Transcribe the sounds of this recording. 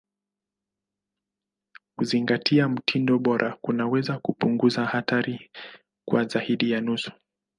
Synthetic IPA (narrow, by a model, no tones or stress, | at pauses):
kuziŋɡatʰiam̩tʰindɔɓɔɾʔakunawɛzakupuŋɡuzahataɾi | kwazaiɗijanusu̥